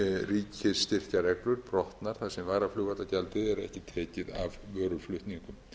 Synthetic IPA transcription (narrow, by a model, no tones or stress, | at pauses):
riːcʰɪsːt̪ɪr̥caɾɛklʏɾ̥pɾɔht̪naɾ̥θaðsɛmvaːɾaflʏːɣat̪acɛlt̪ɪɛɾɛhcɪt̪ʰɛːcɪðavœːɾʏflʏht̪niŋkʏm